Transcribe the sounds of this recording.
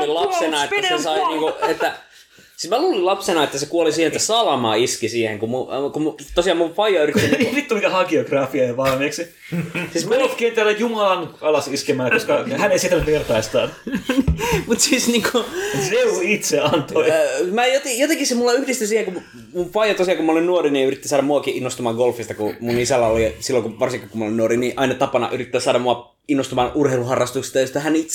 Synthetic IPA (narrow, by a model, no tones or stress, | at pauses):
olilɑpsenɑetæsesɑiniːŋkoet̪ːæ | sismæluːlilɑpsenɑet̪ːæsekuolisiːhenet̪ssɑlɑmɑ̰iskisiːhḛŋkumukut̪osiɑːmuʋfɑjɑyritk̪ːinimit̪tulik̪æhɑɡioɡrɑfiɑjɑʋɑlmeːksi | siːsmæot̪kient̪ælːæjumɑlɑnɑlɑsiskemæːkoskɑhæneisiet̪ænytʋert̪ɑist̪ɑ̰ːnnmut̪siːsniːŋkoneuit̪seɑnt̪oimæjot̪ijot̪eŋkisimulːɑyhdist̪ysiːheŋkum | munfɑjɑt̪osiɑkumæolinnuoriniyrit̪ːisɑːɾɑmuɑkiʔinːost̪umɑːɡolfist̪ɑkumunisælːæolisilːoŋkuʋɑrsiŋkikumːolinuoriniʔɑinɑt̪ɑpɑnɑ̰ʔyrit̪ːæːsɑːdɑmmuɑ | inːost̪umɑːnurheiluhɑrːɑst̪ukst̪ɑjost̪ːæhænit̪